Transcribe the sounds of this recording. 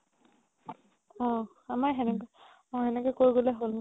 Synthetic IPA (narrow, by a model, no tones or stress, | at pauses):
ɔ̃ | amaɦɛnɛk | ɔ̃ɦɛnɛkɛkoɹiɡolɛɦol